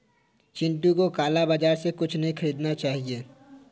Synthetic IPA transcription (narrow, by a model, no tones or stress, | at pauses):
t͡ʃɪ̃ɳʈũkokaːlabaːd͡ʒaːɾsekʊt͡ʃʰnɐɦĩxʰɐɾiːd̪nat͡ʃaːɦieː